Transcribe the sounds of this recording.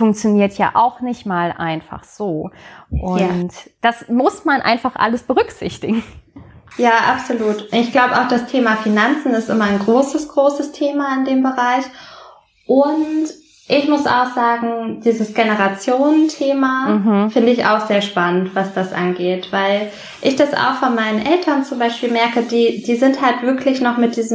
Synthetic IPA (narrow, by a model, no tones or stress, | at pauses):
fʊŋk̚t͡sjoniːɐtʰja̰ːʔa̰ʊxnɪçtmaːlʔa̰ɪnfa̰χz̥oːʔʊntd̥asmʊsmanʔa̰ɪnfaχʔa̰ləsb̥əʁ̞ʏkz̥ɪ̰çtɪɡ̥ŋ̩ | jaːʔapz̥oluːtɪçɡ̥laʊbəaʊxd̥astʰeːmafinant͡sn̩ɪstʔɪmɐaɪnɡʁoːsəsɡ̥ʁoːsəstʰeːmaɪndeːmbəʁaɪç | ʔʊnt | ʔɪçmʊsʔa̰ʊxz̥aːɡŋ̩d̥iːzəsɡ̥enəʁat͡sjoːnəntʰeːmafɪndəɪça̰ʊxz̥eːɐʃpanəntv̥asd̥asʔa̰nɡeːtv̥aɪl | ʔɪçd̥asa̰ʊxfɔnmaɪnənʔɛltʰɐnt͡sʊmbaɪʃpiːlmɛɐkədiːd̥iːzɪnthaltv̥ɪɐklɪçnɔχmɪt̚d̥iːzm